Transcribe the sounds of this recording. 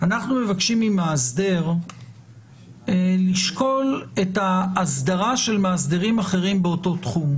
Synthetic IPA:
anaχnume̞vakʃimimaːsde̞ʁ | liʃko̞le̞taːsdaʁaʃe̞lmaːsd̪eʁimaχe̞ʁimbeo̞to̞tχum

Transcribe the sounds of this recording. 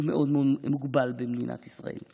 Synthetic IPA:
meʔod̪meodmuɡbalbemd̪inʔa̰t̪isʁa̰ḛl

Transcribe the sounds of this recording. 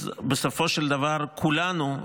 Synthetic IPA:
besofo̞ʃeld̪avaʁkʰulanu

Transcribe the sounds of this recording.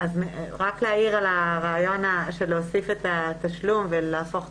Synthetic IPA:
azʁakleaiʁalaʁaːjo̞naʃeleosifet̪at̪aʃlumvelaːfo̞χ

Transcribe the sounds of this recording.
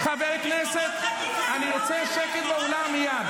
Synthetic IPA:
χabeʁkneset̪ | aniʁot͡seʃeket̪beolamijad̪

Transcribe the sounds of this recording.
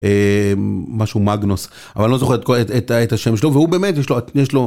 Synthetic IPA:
ʔeː | aʃumaɡnos | avalo̞zo̞χeet̪koetetaet̪haʃemʃelovehube̞ːmet̪jeʃloajeʃlo̞

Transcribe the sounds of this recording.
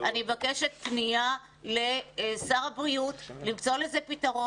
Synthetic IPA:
ʔanimevakeʃet̚pnia | lesaʁabʁiutlimt͡so̞lezepitaʁo

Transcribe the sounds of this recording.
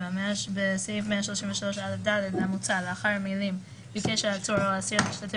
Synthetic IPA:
ameaʃbesivmeaʃloʃimɱveʃalo̞ʃalefd̪aled̪leamut͡saleaχaʁmilim | bikeʃeat͡suɾoasiiʃtatʰe

